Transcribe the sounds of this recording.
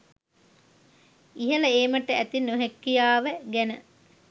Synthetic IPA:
iɦəlɐeːməʈəæt̪inːoɦekːijaːʋəɡænə

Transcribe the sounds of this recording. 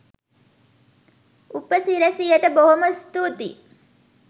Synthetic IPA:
upəsiɾəsijəʈəboɦoməst̪ut̪i

